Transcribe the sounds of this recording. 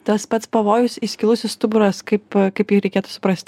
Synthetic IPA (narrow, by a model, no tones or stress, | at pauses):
t̪ɐspɐt̪spɐʋoːjʊsʲisʲkʲilˠusʲɛst̪ʊbʊɾɐskɐɪpkɐɪpjɪxɾʲɛɪkʲeːt̪ʊ̥sʊ̥pɾɐsʲt̪ʲ